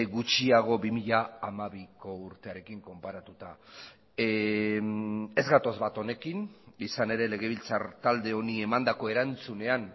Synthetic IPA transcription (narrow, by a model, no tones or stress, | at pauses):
ɣut͡ʃiaɣ̞o̞bimiʎaːmaβiko̞uɾt̪e̞aɾe̞kiŋko̞mpaɾat̪ut̪a | e̞zɣat̪o̞zβat̪o̞ne̞kinisane̞ɾe̞le̞ɣ̞e̞β̞ilt͡saɾt̪ald̪e̞o̞nie̞mand̪ako̞e̞ɾant͡sune̞an